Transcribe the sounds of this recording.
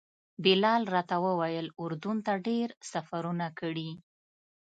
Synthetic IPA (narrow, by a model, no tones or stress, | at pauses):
bɪlɑlɾɑt̪awəwajəlʊɾd̪unt̪aɖeɾsafaɾunakəɽi